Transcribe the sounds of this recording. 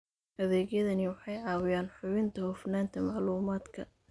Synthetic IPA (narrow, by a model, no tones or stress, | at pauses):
hɐðɛːɣjɐðɐnɪwɑħɑjʕɑːwɪjaːnħʊβɪnt̪ʰɐhʊfnaːnt̪ʰɐmɑʕluːmaːd̪kʰɐ̰